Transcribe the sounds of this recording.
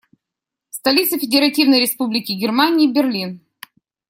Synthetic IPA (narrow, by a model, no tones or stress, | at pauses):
st̪ɐlʲit̪sɨfʲɪdʲɪɾɐtʲivnəjɾʲɪspublʲɪkʲɪɡʲɪrmanʲɪːbʲɪrlʲin